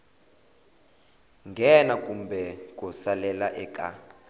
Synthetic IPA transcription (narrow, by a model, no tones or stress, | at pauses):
ŋɡʱɛnakʼumbɛk̬ʼɔsalɛlaʔɛkʼa